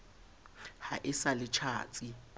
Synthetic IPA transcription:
haʔɪsalɪt͡ʃʰa̰ːt͡sʼi

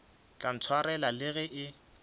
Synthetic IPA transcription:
kʼan̩t͡sʰwaɾɛlalɪɣɛʔɪ

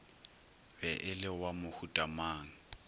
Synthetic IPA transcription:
bɛʔɪlɪwamʊhutʼamaːŋ̩

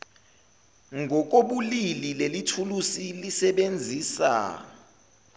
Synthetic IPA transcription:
ŋʱɔk̬oɓulililelitʰulusilisɛɓend͡zʱiːsa̰

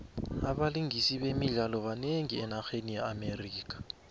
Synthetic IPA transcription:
aɓaliŋɡʱisiɓemiɮalɔβaneŋiɛnaxenijaameriːkʼḁ

